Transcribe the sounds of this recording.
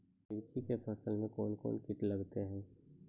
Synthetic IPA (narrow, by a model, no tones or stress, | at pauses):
ɪɾt͡ʃikepʰɐsəlmẽkoːnko̰ːnkɪʈlɐɡt̪eɦɛ̃ː